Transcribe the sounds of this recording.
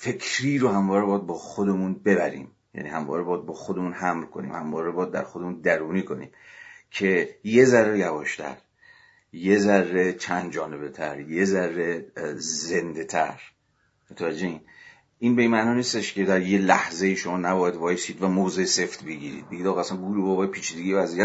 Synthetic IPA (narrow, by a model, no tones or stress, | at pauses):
fe̞kʰɾiːɾohæmvɒːɾebɒːd̪̚bɒːxod̪e̞munbe̞bæɾḭːm | jæ̰niːhæmvɒ̰ːɾebɒːjd̪̚bɒːxod̪e̞muːnhæmɾkʰo̞nḭːmhæmvɒːɾebɒːd̪ːæ̰ɾxod̪emuːnd̪æɾuːniːkʰo̞nḭːmcʰe̞je̞zærːejæbɒːʃt̪ʰæ̰ɾ | jezærːe̞t͡ʃʰænd̪̚d͡ʒɒːne̞be̞t̪ʰæ̰ɾje̞zærːe̞zend̪e̞t̪ʰæ̰ɾ | mot̪ʰævæd͡ʒːeiːn | ʔiːnbe̞inmæʔnɒːniːst̪eʃce̞d̪æɾjelæhzejiːʃo̞mɒːnæbɒːjæd̪vɒːjesiːd̪væmoːzese̞ft̪be̞ɟiːɾḭːd̪̚beɟid̪ɒːɣɑæsænɡuɾubɒːbɒːjpʰiːt͡ʃʰiːd̪eɟijevæzijæ